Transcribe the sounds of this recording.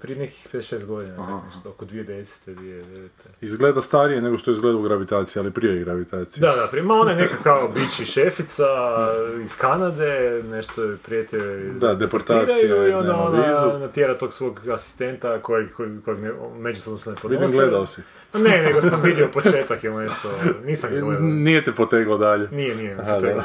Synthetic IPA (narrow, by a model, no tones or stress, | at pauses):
pɾieneki̥xpedesʃeːst̪ɡo̞d̪inaneʃt̪ookod̪ʋijed̪e̞se̥t̪ed̪ʋied̪eʋet̪eizɡled̪ast̪aɾijeneɡoʃt̪ojeizɡled̪aoɡɾaʋit̪aːt̪sijalipɾieɡɾaʋit̪aːt̪sijdd̪ad̪apɾiemaonajenekakːaobit͡ʃiʃefit̪sa | iskanad̪ene̞ʃt̪oepɾiet̪eed̪ad̪epoɾt̪aːɾajiuiond̪aonoizunat̪jeɾat̪o̞ːɡsʋo̞ːɡasi̥st̪e̞nt̪akojekokojeɡneme̞d͡ʒusob̪nosnepodʋid̪imɡled̪aosi | neneɡosamʋid̪jeopot͡ʃeːt̪akjeumest̪oniːsamɡnijet̪epot̪eɡlˠad̪aʎenijenijepod̪eɡla